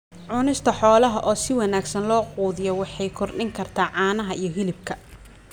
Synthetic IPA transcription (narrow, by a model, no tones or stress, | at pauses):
ʕʊnɪst̪ʰɐħɔːlɐɦɐʔɔːsɪwɑnaːɡsɐnlɔːquːðɪjɔwɑħɑjkʰɔrɖɪŋkʰɐrt̪ʰaːʕɑːnɐɦɐijɞɦɪlɪb̚kʰɐ